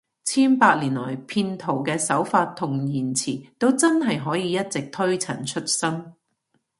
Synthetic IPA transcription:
t͡sʰiː˥npaː˧t̚liː˨˩nlɔː˨˩jpʰiː˧nt̪ʰo˨˩wkɛː˧sɐ˨˥wfaː˧t̪ʰʊ˨˩ŋjiː˨˩nt͡sʰiː˨˩t̪o˥wt͡sɐ˥nɦɐ˨jɦɔː˨˥jiː˨˧jɐ˥t̚t͡sɪ˨k̚t̪ʰɵ˥ɥt͡sʰɐ˨˩nt͡ʃʰɵ˥t̚sɐ˥m

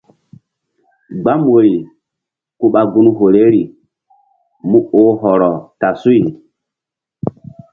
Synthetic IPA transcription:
ɡ͡ba˦mo˨ɾi˨ | ku˦ɓa˨ɡu˦n˦ɦo˨le˦ɾi˨ | mu˦o˦ɦɔ˨ɾɔ˨ta˨su˦i˨

